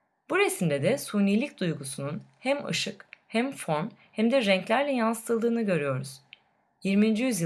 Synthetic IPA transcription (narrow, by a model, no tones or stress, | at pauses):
b̥uɾesimd̪ɛd̪ɛsuːnilʲicd̪ujɡusununhæmɯ̰ʃɯkhæmfo̞nhæmd̪ɛɾɛɲclʲæɾlʲɛjansɯ̥t̪ʰɯlˠd̪ɯːnɯɟø̞ɾyjo̞ɾuz̥ | jiɾmiːnd͡ʒijyzj